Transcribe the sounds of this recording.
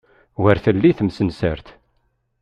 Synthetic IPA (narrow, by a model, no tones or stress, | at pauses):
wəɾθəlːiθəmsənsə̰ɾθ